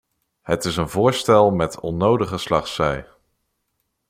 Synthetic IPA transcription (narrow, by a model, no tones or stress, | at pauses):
ɦətɪsənvʊːɹstɛlˠmɛtʰɔnowdəχəslɑχsɛj